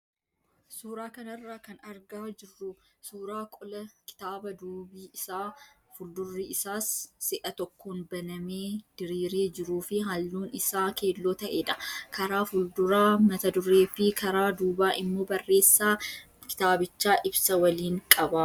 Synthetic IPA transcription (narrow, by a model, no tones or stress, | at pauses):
suːɾaːkɐnɐrːaːkɐnɐɾɡaːd͡ʒɪrːʊ | suːɾaːkʼɔlɐkɪ̥t̪aːbɐd̪uːbiːʔɪsaː | fʊld̪ʊrːiːɪsaːsːɪʔɐt̪ɔkːoːnbɐnɐmeːd̪̥ɪɾiːɾeːd͡ʒɪɾuːfɪɦɐlːuːnɪsaːke̞ːlːo̞ːt̪ɐʔe̞ːᶑɐ̥kɐɾaːfʊld̪ʊɾaːmɐt̪ɐd̪ʊrːe̞ːfɪkʰɐɾaːd̪uːbaːʔɪmːo̞ːbɐrːe̞ːsːaː | kɪ̥t̪aːbɪt͡ʃːaːʔɪbsɐwɐliːŋkʼɐba